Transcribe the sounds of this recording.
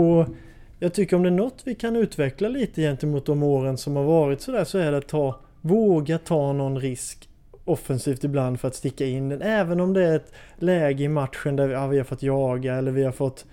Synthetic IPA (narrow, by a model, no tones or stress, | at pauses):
ɔ | jɑːɡ̚t̪ʰʏkːəɾɔmd̪ɛæɳɔt̪ːvɪkʰanʉ̟ːt̪vɛklaliːt̪əjɛnt̪əmuːt̪̚d̪ɔmoːɾənsɔmhaɾvɑːɾɪt̪sɔd̪æːʂɔæɖɛat̪ʰːɑː | voːɡat̪ʰɑːnɔnːɾɪsk | ɔfɛnsiːft̪ɪbland̪fœɾat̪st̪ɪkːaɪnd̪ɛnɛːvənɔmd̪ɛæɾɛt̪ | lɛːɡəɪmat̪ɧənd̪æɾvɪavɪhaɾfɔt̪ːjɑːɡaɛlːəɾvɪhaɾfɔt̪ː